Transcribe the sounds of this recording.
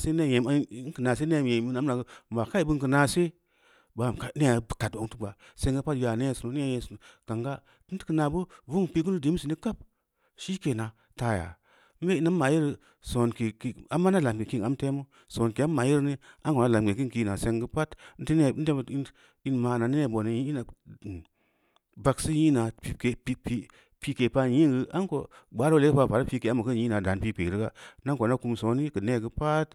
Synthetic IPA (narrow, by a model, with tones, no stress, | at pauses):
se˦ne˦˨je˨m˦ŋ˦kə˨na˨se˦ne˦˨je˨mi˦na˨˦m˦na˨ɡm˨ba˨ka˦i˦˨bu˦ŋ˦kə˨na˨se˦ | ba˨ka˨˦ne˦a˨˦bka˨to˨ŋtu˦ɡ͡ba˨ | se˦ŋɡə˦pa˦tja˨ne˦˨su˨no˨˦n˦a˦je˨sn˨ka˨ŋɡa˦ | ti˦n˦ti̥˦kə˦na˨bu˦vu˦ŋ˨pi˦ɡ̬u˦nu˦di˨˦si˨ni˦ka˦p̚ | ʃi˦ke˨na˨ | ta˨ja̰˨ | m̩˦be˦i˦na˦ma˨ji˦ɾ | so˨nki˨ki˨a˨mːa˦na˦˨la˨mɡe˨ki˦ŋa˨˦m˦te˦mu˦ | so˨nke˨˦mːa˨ji˦ɾni˦ʔa˦ŋko˨na˦˨la˨mɡe˨k̬ɨ˦nki˧na˨se˧ŋɡɨ˦pa˦tn̩˦ti˦ne˦˨˦n̩˦te˦m˨i˦n | i˦nma˨na˨ni˦e˦˨bo˨ni˨ji˦i˦na˨ | ba˧ksɨ˦ji˦na˨pi˨ke˨pi˦pi˧ | pi˧ke˨pa˧ji˦ŋɡɨ˧ʔa˦nko˨ɡ͡ba˦ɾle˦ɨ˦pa˧˦pa˨ɾa˦pi˧ke˨a˦mu˨kɨ˦ji˦na˨da˨npi˧kʷe˨ɾi˦ɡa˦na˦ŋko˨na˦ku˧mso˨˦ni˦kɨ˨ne˦ɡɨ˦pa˦t